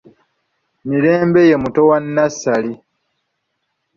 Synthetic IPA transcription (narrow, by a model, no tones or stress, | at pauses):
miɾe̞ːmbeje̞muto̞wanːasali